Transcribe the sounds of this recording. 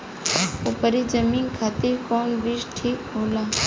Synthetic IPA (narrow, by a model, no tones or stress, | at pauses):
upəɾid͡ʒəmiːnkʰat̪iɾkoːnʋiʃʈʰiːkɦoːlaː